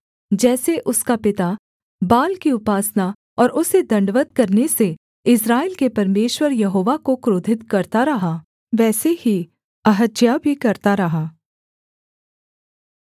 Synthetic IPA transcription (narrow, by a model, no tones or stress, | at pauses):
d͡ʒɛːseʔʊskapɪt̪a | baːlkiʊpaːsna | ɔːɾʔʊsed̪ɐ̃ɳɖʋət̪̚kɐɾnese | ɪsɾaːeɪːlkepɐɾmeːʃwəɾjɐɦoːʋakokɾoːd̪ʱɪt̪kɐɾt̪aɾɐɦa | ʋɛːsehi | ɐɦəd͡ʒ̪jabʱikɐɾt̪aɾɐɦaː